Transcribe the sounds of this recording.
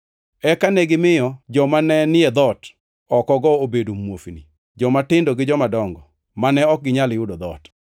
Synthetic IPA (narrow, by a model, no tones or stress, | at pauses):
ɛkanɛɡɪmɪjɔd͡ʒɔmanɛnɪɛd̪ɔt | ɔkɔɡɔobedomwofni | d͡ʒɔmatɪndoɡɪd͡ʒɔmadɔŋɡɔ | manɛɔk̚ɡɪɲalɪʊdod̪ɔt